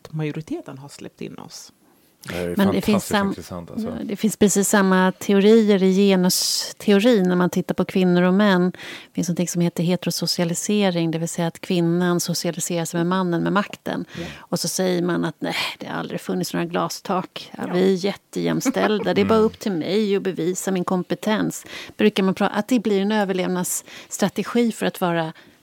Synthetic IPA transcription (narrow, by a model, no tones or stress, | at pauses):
t̪majʊɾɪt̪ʰeːt̪ənɦaslɛ̰p̚t̪ɪ̰nːɔ̰s | mɛnd̪ɛfɪnsa̰nt̪d̪ɛfɪnspʰɾɛsiːsːamːat̪ʰɛʊɾiːəɾɪjeːnast̪ʰɛʊɾiːnæɾmant̪ʰɪt̪ːaɾpʰɔkʰvɪnːʊɾɔmɛnːd̪fɪnsnɔnt̪ʰɪŋsɔmheːt̪əɾɦeːt̪ɾʊsʊsɪalɪseːɾɪŋd̪ɛvɪlsɛjːaːt̪kʰvɪnːansʊsɪalɪseːɾasɛjmɛmanːənmɛmakt̪ə̰nɔsɔsɛjːəɾmanat̪næɪd̪̥ɛha̰ɾa̰ld̪ɾɪɡfɵnːɪtsno̰ːɾaɡlɑ̰ːst̪ʰɑːkvɪæjɛt̪ːəjɛ̰mːst̪ɛld̪ad̪ɛɛbɑːɾaɵpːt̪ʰɪlmɛjɔbɛviːsamɪnkʰɔmpɛt̪ʰɛnsb̥ɾʉ̟ːkamanpʰɾɑːa̰t̪̚d̪ɛblɪɾɛnøːvəɭeːvnasːt̪ɾat̪ɛɧiːfœɾat̪vɑːɾa